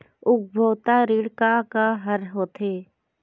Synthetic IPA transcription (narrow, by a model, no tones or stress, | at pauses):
ʊk̚bʱowt̪aɾiːɽkakaɦəɾɦoːt̪ʰeː